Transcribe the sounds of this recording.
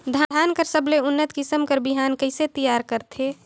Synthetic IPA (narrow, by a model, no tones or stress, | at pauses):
d̪ʱad̪ʱaːnkəɾsəbleʊnːət̪kɪsəmkəɾbɪɦaːnkəɪset̪əjaːɾkəɾt̪ʰeː